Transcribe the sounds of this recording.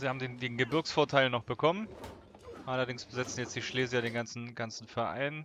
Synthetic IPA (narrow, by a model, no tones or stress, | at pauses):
zihaːbm̩deːndeːnɡəbɪɐksfoːɐtʰaɪlnɔχb̥əkʰɔmən | ʔalɐdɪŋsb̥əzɪt͡sn̩jɛt͡std̥iːʃleːzɪçaɾeːnɡant͡sn̩ɡ̥ant͡sn̩fɛɐʔa̰ɪn